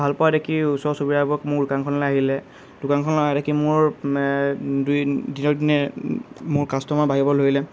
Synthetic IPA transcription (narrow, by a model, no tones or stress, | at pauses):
bʱalpɔadekʰiusɔɹsobiɹabɔkmʊɹdʊkankʰɔnlɛaɦilɛ | d̥ʊkankʰɔnlɔɛɾekimʊɹ | dujdinɔdinɛ | mʊɹkastɔmabaɦibɔloilɛ